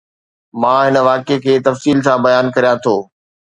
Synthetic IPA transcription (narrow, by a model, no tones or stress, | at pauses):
mãːɦɪnə̆ʋaːkekʰeːt̪ɐfsiːlsãbɐjaːnkɐɾijat̪ʰoː